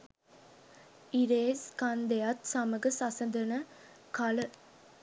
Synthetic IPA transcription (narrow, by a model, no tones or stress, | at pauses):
iɾeːskɐnd̪ejɐt̪sɐməɡɐsɐsɐnd̪ɐnə | kɐlə